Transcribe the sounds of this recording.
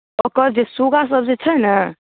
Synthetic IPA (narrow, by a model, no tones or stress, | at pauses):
əkəɾd͡ʒesoɡas̬əbd͡ʒet͡ʃʰənə